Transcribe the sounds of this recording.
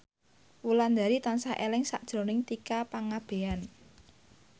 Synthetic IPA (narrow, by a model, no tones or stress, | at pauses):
wuland̪aɾit̪ansaʔelɪŋsa̰ʔd̥ʒ̥ɾo̤nɪŋt̪ikapaŋab̥e̤an